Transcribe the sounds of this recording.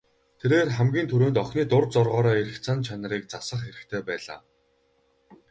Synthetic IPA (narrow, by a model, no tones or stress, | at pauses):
t̪ʰeɾeːrχæmɡʲiːnt̪ʰɵɾoːnt̪ɔχniːt̪ʊrt͡sɔrʁɔːɾɔːeɾɘ̆xt͡sʰant͡ɕʰanə̆ɾiːk̚t͡sasə̆χxeɾɘ̆kt̪ʰeːpæːɮa̰ː